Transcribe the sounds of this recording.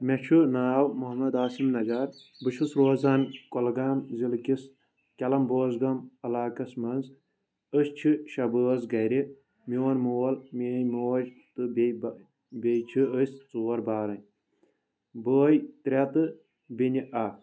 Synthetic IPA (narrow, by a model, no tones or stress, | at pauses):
mʲɐt͡ʃʰunaːwmuɦɐmɐd̪aːsimnɐzaːɾ | bɨʃusɾoːzankolɡaːnzilkis | kʲɐlɐmboːzɡɐmɐlaːkɐsmɐnz | əst͡ʃʰiʃɐbəɐzɡɐjɾi | miwɐnmuːɐlmiːjmoːɐd͡ʒt̪ɨb | bʲejt͡ʃʰiəsʲt͡suːɐɾbaːɾɐnʲ | bəːjt̪ɾʲɐt̪ɨ | binʲiʔa